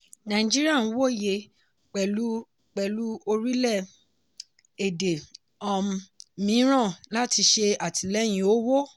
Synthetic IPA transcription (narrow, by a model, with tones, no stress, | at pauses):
nã˨ĩ˨d͡ʒi˦ɾi˦a˦˨ñ̩˦wo˦˨je˧˨ | k͡pɛ˨lu˦ | k͡pɛ˨lu˦o˧ɾi˦lɛ˦˨ | e˨de˨ | ɔ˦˨m˧mĩ˨˦ɾ̃ã˦˨la˦ti˧ʃe˧a˨ti˨lɛ˦j̃ĩ˨o˨˦wo˦